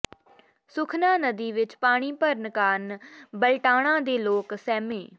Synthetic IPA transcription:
sʊkʰnãːnəd̪iːʋɪt͡ʃpaːɽ̃iːpəɾnəkaːnbəlʈaːɽ̃ãːd̪eːloːksɛːmẽː

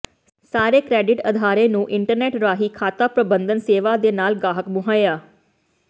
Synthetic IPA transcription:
saːɾeːkɾɛːɖɪʈəd̪ʱaːɾẽːnũːʔɪɳʈəɾnɛːʈɾaːɦiːkʰaːt̪aːpɾəbənd̪ənseːʋaːd̪eːnaːlɡaːɦəkmʊɦaːjaː

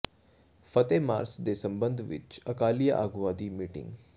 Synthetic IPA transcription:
fɐt̪ema̰ːɾt͡ʃd̪esɐ̃mbə̃nd̪ʱʋɪ̰t͡ʃɐkaːlijaʔaːɡʋaːd̪imiːʈɪ̰̃ŋɡ

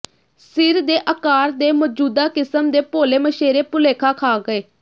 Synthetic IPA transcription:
sɪɾd̪eːʔəkaːɾd̪eːmɔːd͡ʒuːd̪aːkɪsəmd̪eːpoːleːməʃeːɾeːpʊleːkʰaːkʰaːɡəeː

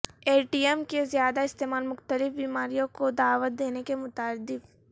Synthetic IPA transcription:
eːʈiːɛmkezjaːd̪aɪst̪eːmaːlmʊxt̪əlɪfbiːmaːɾijõkod̪aːʋət̪̚d̪eːnekemʊt̪aːd̪ɪb

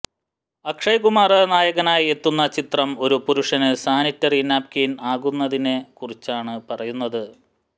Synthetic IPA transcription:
ɐkʂɐjkumaːrɐnaːjɐɣɐnaːje̞t̪ːunːɐt͡ɕit̪rɐmo̞ɾupuɾuʂɐnɨsaːnitːɐriːnaːp̚kinaːɣunːɐðinekurit͡ɕːaːɳɨpɐrɐjunːɐðɨ

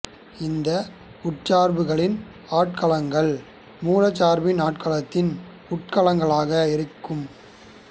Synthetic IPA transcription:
ɪnd̪ɐ | ʊʈt͡ʃaːɾbɯɣɐɭɪn | aːʈ̚kɐɭɐŋɡɐɭ | muːrɐt͡ʃaːɾbɪnaːʈkɐɭɐt̪ːɪn | ʊʈ̚kɐlɐŋɡɐɭaːɣɐɪɾɯkːɯm

